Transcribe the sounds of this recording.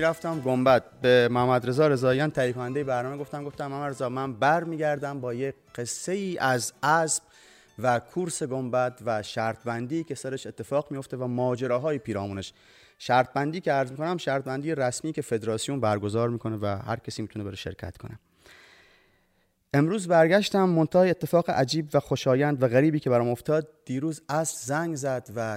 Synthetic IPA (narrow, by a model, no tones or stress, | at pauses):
iɾæft̪æmɡo̞mbæt̪̚bemohæmːæd̪ɾe̞zɒːɾe̞zɒːjænt̪ʰæjiːkʰonænd̪ejebæɾnɒːmeɡo̞ft̪æmɡo̞ft̪æmhæmːæɾezɒːmænbæɾmiːɟæɾd̪æmbɒːje | ɢe̞sːe̞jiːʔæzæsb̥̚ | vækʰuɾse̞ɡo̞mbæt̪ʰvæʃæɾt̪̚ʰbænd̪iːcʰʲe̞sæɾeʃet̪ʰːe̞fɒːɣmijo̞ft̪e̞væmɒːd͡ʒe̞ɾɒːɦɒːjepʰiːɾɒːmuːneʃ | ʃæɾt̪̚bænd̪iːkʲʰeæɾzmiːkʰonæmʃæɾt̪̚bænd̪ijeɾæsmiːcʰʲe̞fe̞d̪ɾɒːsijunbæɾɡo̞zɒːɾmiːkʰo̞nevæhæ̰ɾcʰæsiːmiːt̪uneeɾeʃe̞̰ɾcʰæ̰t̪kʰo̞ne | ʔe̞mɾuːzbæɾɡʲæʃt̪æmːo̞nt̪ʰɒːeet̪ʰːe̞fɒːɣeʔæd͡ʒiːbvæxo̞ʃɒːjænd̪væɣæɾiːbiːkʰe̞bæɾɒːmo̞ft̪ʰɒːd̪̚d̪̥iːɾuːzæsbzæŋɡzæd̪væ